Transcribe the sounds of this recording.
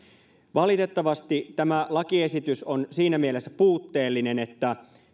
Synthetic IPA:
ʋɑlit̪e̞t̪ːɑʋɑst̪it̪æmælɑkiesit̪ysonsiːnæmielesːæpuːt̪ːe̞ːlːine̞net̪ːæ

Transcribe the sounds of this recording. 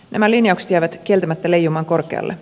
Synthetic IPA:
næ̰mælinjɑukse̥t̪jæjʋæt̪k̟ie̞lt̪æmæt̪ːæle̞jːumɑːŋko̞rkeɑ̰lːʔe

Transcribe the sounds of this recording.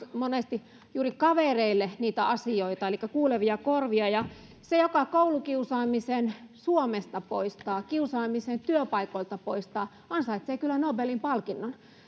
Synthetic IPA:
monest̪i | juːrikɑʋereilːeniːt̪æɑsioit̪ɑelikːækuːleʋiɑkorʋiɑjɑ | sejokɑkoulukiusɑːmisensuomest̪ɑpo̰ist̪ɑːkiusɑːmisent̪yøpɑikoilt̪ɑpoist̪ɑː | ɑnsɑit̪seːˑkylːænobelimpɑlkinːon

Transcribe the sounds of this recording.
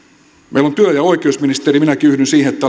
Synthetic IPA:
mḛilont̪yøjɑoikiosminist̪eɾiminækiyhdynsiːheet̪ːæ

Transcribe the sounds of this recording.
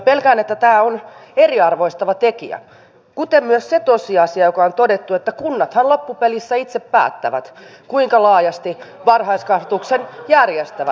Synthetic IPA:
pelkæːnet̪ːæt̪æːoneriɑrʋoist̪ɑʋɑt̪ekḭæ̰ | kut̪emmyøsset̪osiɑsiɑjokɑont̪odet̪ːuet̪ːækunːɑt̪hɑnlopːupelisːæit̪seppæ̰ːt̪ːæʋæ̰t̪kuiŋkɑlɑːjɑst̪iʋɑrhɑiskɑhʋɑt̪uksenjærjest̪æʋæ

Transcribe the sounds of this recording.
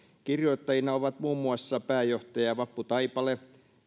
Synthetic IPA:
kirjoit̪ːɑjinɑoʋɑt̪muːmːuɑsːɑpæːjoht̪ɑjɑʋɑpːut̪ɑipɑle

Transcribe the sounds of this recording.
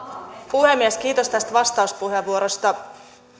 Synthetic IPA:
puhemːiesk̟iːt̪o̞st̪æst̪ʋɑst̪ɑuspuɦeʋːuoɾost̪ɑ

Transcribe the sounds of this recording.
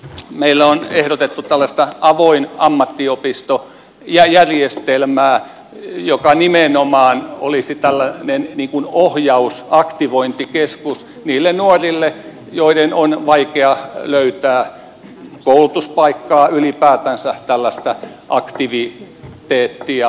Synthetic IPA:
meilːæonehɾot̪et̪ːut̪ælːæst̪ɑʔɑʋoinɑmːɑt̪ːiopist̪o | jɑjærjest̪elmæː | jokɑnimenomɑːno̰lisit̪ælːænenniːŋkunohjɑusɑkt̪iʋoint̪ikeskus | niːlːennuorilːe | joidenonʋɑikeɑløyt̪æː | koulut̪uspɑikːɑːylipæːt̪ænsæt̪ælːæst̪æʔɑkt̪iʋi | t̪eːt̪ːiɑ

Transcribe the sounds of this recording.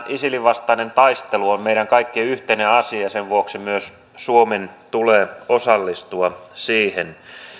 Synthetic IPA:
ʔisiliʋɑst̪ɑinent̪ɑist̪eluommeiɾæŋkɑikːiyht̪eineɑsiɑseʋʋuoksimyøs | suoment̪uleːosɑlːist̪uɑsiːhen

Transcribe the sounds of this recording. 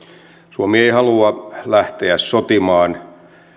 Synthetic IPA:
suomieihɑluɑlæht̪eæssot̪imɑːn

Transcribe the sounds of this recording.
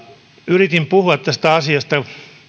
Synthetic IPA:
yrit̪impuhuɑt̪t̪æst̪æɑsiɑst̪ɑ

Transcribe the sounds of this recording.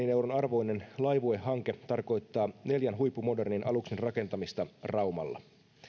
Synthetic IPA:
ineuwɾonɑrʋo̞jne̞nlɑjʋuehːɑŋke̞t̪ɑrko̞jt̪ːɑːne̞ljænɦujpːumo̞de̞rninʔɑluksinrɑke̞nt̪ɑmist̪ɑrɑuwmɑ̰lːɑ̰

